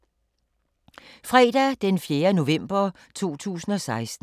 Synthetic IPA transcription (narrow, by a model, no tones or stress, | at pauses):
fʁɛːd̥æd̥enfjeːɐno̝ʋem̰b̥ɐ | t͡sʰo̝̰ːt͡sʰṵːsn̩ɒ̽sɑ̈ɪsd̥